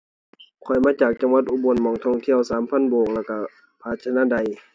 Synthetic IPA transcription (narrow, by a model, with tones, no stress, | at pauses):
kʰɔ˨˩jmaː˧˥˨t͡ɕaː˨˩k̚t͡ɕa˧˦ŋwa˧˥t̪̚ʔuː˧˨bo˧˨nmɔː˧˩˨ŋt̪ʰɔ˧˩˨ŋt̪ʰi˧˨əwsaː˨˦mpʰa˧˥˨nboː˨˩k̚lɛ˧˩wka˧˩ | pʰaː˧t̪̚t͡ɕʰa˧naː˧˥˨da˧˨j